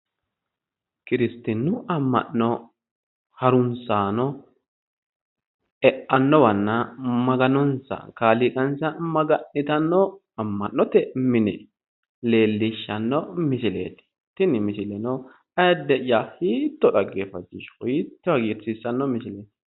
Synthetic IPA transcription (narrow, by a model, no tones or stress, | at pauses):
kɪɾɪst̪ɪnːʊɐmːɐ̰nːɔ | hɐɾʊnsaːnɔ | ɛʔɐnːɔwɐnːamɐɡɐnɔnsɐ̰kaːlɪkʼɐnsɐmɐɡɐnːɪt̪ɐnːɔ | ɐmːɐnːɔt̪ɛmɪnɛ | le̞ːlːɪʃːɐnːɔmɪʃɪlḛːt̪ɪ̥ | t̪ːɪnɪmɪʃɪlɛnɔ | ɐjɐd̪ːɛʔjahiːt̪ːɔᶑɐɡeːfɐd͡ʒɪ̰ʃhiːt̪ːɔɐɡiːɾsiːsːɐnːɔmɪʃɪlet̪